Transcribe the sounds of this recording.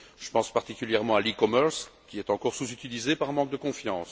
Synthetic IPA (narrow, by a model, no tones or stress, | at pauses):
ʒ̥əpɑ̃spaʁt̪ikʲyljɛʁmɑ̃alikɔmœʁskʲiɛt̪ɑ̃kɔʁsuzyt̪ilizepaʁɛ̃mɑ̃k̚d̪əkɔ̃fjɑ̃ːs